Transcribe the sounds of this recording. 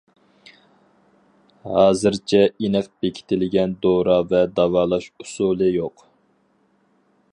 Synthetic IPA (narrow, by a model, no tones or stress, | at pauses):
hɑːzɨɾt͡ʃʰɛinəq̚b̥ekʲʰi̥t̪ʰɪlɪɡʲɛnd̪oɾɑvɛd̪ɑwɑːlˠɑʃusulˠɨjoq